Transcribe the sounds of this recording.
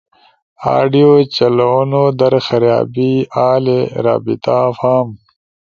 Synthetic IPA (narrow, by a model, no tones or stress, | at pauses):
a̰ːɖijoːt͡ɕɐloːnod̪ɐɾxɐɾja̰ːbiaːleɾa̰ːbit̪afaːm